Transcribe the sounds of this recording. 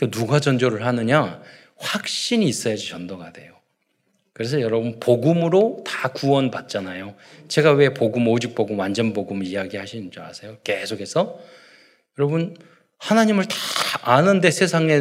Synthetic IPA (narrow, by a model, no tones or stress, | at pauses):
kenuɡad͡ʑʌnd͡ʑoɾɯɭɦanɯɲa | ɸwak̚ɕ͈iɲiːs͈ʌjad͡ʑit͡ɕʌndoɡade̞jo | kɯɾe̞s̬ʰʌjʌɾʌbɯnpoɡumɯɾotḁkuwʌnpat̚t͡ɕ͈anajot͡ɕe̞ɡawe̞poɡumod͡ʑik̚p͈oɡumwand͡ʑʌnboɡumijaɡihaɕʰind͡ʑʌnasʰe̞joke̞sʰokʰe̞sʰʌ | jʌɾʌbɯn | hanaɲimɯɭtḁanɯnde̞sʰe̞sʰaŋe̞